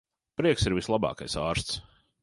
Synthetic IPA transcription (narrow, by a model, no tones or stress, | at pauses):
pɾiɛksiɾvislˠabɑ̰ːka̰jsaːɾst̪s